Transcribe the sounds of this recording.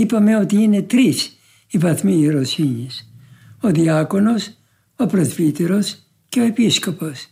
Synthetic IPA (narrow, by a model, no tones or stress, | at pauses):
ipɐme̞o̞t̪iine̞t̪ɾis | ivɐθmiɾosiɲisoðiɐko̞no̞s | opɾozvit̪eɾo̞s | ceo̞episko̞pos